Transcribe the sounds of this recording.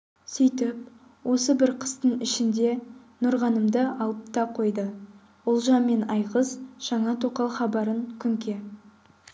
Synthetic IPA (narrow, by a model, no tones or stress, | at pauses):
sijt̪ɪp̚ | wʔo̞səbɪɾqʰə̥st̪əɴɪʃɪnd̪e̞ | nʊɾʁɑnəmd̪əɑlˠəpt̪ɑqʰo̞jd̪ə | ʊlˠʒɑmːe̞nɑjqəzʒ̥ɑɴɑt̪ʰoqɑlˠχɑbɑɾəŋkʲʰʏŋkʲe̞